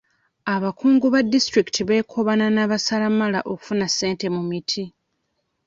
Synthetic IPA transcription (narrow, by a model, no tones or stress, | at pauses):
aβakuːŋɡuβadːistɾiki̥tʰiβe̞ːkʰo̞βananaːβasalamala̰ʔo̞ku̥funasːe̞ːnte̞mumitʰi